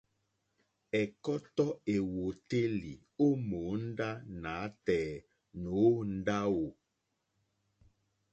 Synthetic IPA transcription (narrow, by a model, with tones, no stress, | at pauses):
ɛ˨kɔ˦tɔ˦e˨wo˨te˦li˨ | o˦mo˨˦n̩˦da˦na˨˦tɛː˨˦˨ | no˨˦n̩˦da˦wo˨